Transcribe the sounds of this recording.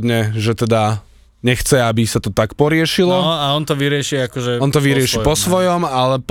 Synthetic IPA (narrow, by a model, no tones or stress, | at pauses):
d̪ɲɛʒɛt̪ɛd̪a | ɲɛxt͡sɛabisat̪ɔt̪akpɔɾɪɛʃilɔaɔnt̪ɔʋiɾɪɛʃiakɔʒɛɔnt̪ɔʋiɾɪɛʃipɔsʋɔjɔmalɛp